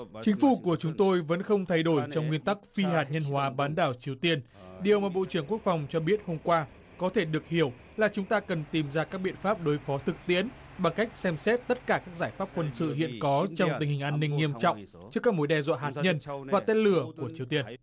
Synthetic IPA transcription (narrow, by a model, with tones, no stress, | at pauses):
t͡ɕï˨˦ŋ̟fu˧˩ku˧˩ət͡ɕʊ˨˦ŋ͡mt̪o˧jvə̰˧˥nxə˧wŋ͡mt̪ʰa˧jɗo˧˩jt͡ɕɔ˧wŋ͡mŋwi˧ənt̪a˦˥k̚fi˧haː˨˩t̚ɲə˧nɦwaː˨˦ɓaː˨˦nɗaː˨˩wt͡ɕi˨˦əwt̪i˧ən | ɗi˨˩əwmaː˨˩ɓo̰˧˨t͡ɕɨ˧˩əŋk̬u˦˥ək̚fa˨˩wŋ͡mt͡ɕɔ˧ɓi˦˥ət̚ho˧mkwaː˧ | kɔ˨˦t̪ʰe˧˩ɗɨ˨˩ək̚hi˧˩əw | laː˨˩t͡ɕʊ˨˦ŋ͡mt̪aː˧kə˨˩nt̪i˨˩mzaː˧kaː˦˥k̚ɓḭ˧˨ənfaː˦˥p̚ɗo˨˦jfɔ˨˦t̪ʰɨ˨˩k̚t̪ḭ˧˥ən | ɓa˧˩ŋka˦˥jk̟̚sɛ˧msɛ˦˥t̚t̪ə˦˥t̚kaː˧˩kaː˦˥k̚zaː˧˩jfaː˦˥p̚kwə˧nsɨ̰˧˨hḭ˧˨ənkɔ˨˦t͡ɕɔ˧wŋ͡mt̪i˨˩ŋ̟hï̟˨˩ʔaː˧nːï˧ŋ̟ːi˧əmt͡ɕɔ̰˧˨wŋ͡m | t͡ɕɨ˧˦˥kaː˦˥k̚mo˨˦jɗɛ˧˩zwɔ̰ː˧˨ɦaː˨˩t̚ɲə˧nvaː˨˩t̪e˧t̚lɨ˧˩əku˧˩ət͡ɕi˨˦əwt̪i˧ən